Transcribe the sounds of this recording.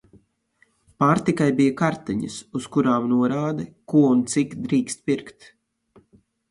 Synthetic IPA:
paːɾt̪ikajbijakaɾt̪ɛɲɐsuskuɾaːmnuɔɾaːd̪ɛkuɔunt̪sikd̪ɾiːkst̪̚piɾkt̪

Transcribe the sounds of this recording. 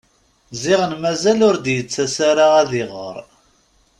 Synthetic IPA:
zɪʁənmæzælʊɾd̪jət͡sːæsaɾaʁæðɪʁə̰ɾˤ

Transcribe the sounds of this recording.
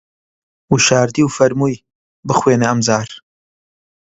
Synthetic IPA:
wuʃaːɾd̪iːwfɐɾmuːj | bɨχweːnɐɐmzaːɾ

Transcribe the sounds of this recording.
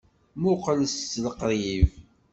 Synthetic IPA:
mʊqləsːləqɾˤiv

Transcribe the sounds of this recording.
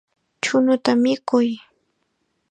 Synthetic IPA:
t͡ʃʊnʊt̪amɪkʊj

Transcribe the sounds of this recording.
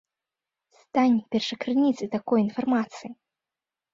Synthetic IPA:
st̪anʲpʲɛrʂɐkɾɨnʲit̪sɨt̪akɔjinfarmat̪sɨji

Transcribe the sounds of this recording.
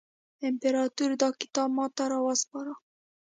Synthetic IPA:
empeɾɑt̪uɾd̪ɑki̥t̪ɑbmɑt̪ɑɾɑwɑspɑɾɑ

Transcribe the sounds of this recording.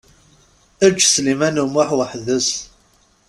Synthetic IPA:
æt͡ʃːslimænumʊħwəħðəs

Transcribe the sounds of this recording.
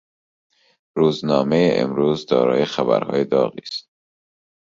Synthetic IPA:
ɾuːznɒːmejeʔḛmɾuːzd̪ɒ̰ːɾɒːjexæbæ̰ɾhɒ̰ːjed̪ɒːɣḭːst̪̚

